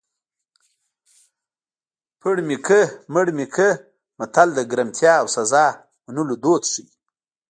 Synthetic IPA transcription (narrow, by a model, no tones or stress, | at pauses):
pʰəɽmikʰəməɽmikʰə | mat̪ʰald̪əɡɾamt̪ʰjɑːwsazɑ | manulod̪ot̪ʂəwi